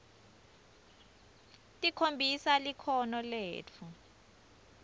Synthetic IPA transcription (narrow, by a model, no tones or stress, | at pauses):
tʼikʰombʱisalikʰɔnɔlḛːt͡fʰu